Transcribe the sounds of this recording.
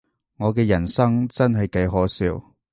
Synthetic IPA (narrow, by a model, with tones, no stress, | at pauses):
ŋɔː˨˧k̬ɛː˧jɐ˨˩nsɐ˥ŋt͡sɐ˥nɦɐ˨jkɐ˨˥jɦɔː˨˥siː˧w